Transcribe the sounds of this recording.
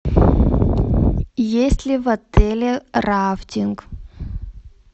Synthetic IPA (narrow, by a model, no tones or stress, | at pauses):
jesʲtʲlʲivɐt̪ʰɛlʲeraftʲiŋk